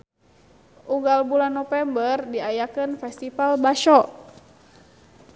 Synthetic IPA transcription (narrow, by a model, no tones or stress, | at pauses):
ʔuŋɡalbulanːɔfɛmbərdiajakənfɛst̪ifalbaʃɔʔ